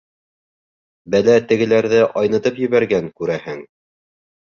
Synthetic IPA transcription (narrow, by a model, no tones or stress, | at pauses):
bælæt̪ɘ̆ɡɘ̆læɾðɘʔɑjnɤ̆t̪ɤpjɘ̆βæɾɡæŋkʉɾæhɘŋ